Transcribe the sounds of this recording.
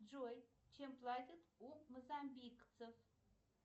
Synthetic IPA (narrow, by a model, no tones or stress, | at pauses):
d͡ʒoj | t͡ʃʰemplatʲɪt̪umozambikʼt͡sʰɨf